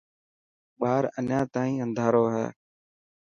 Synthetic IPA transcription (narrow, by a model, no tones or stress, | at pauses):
ɓaːɾənjãːt̪ãːĩːə̃nd̪ʱaːɾoːɦɛ̰ː